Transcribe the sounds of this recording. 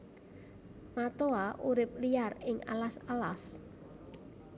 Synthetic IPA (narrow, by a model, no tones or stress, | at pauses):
mat̪oaʔuɾɪp̚liarɪŋa̰lasala̰s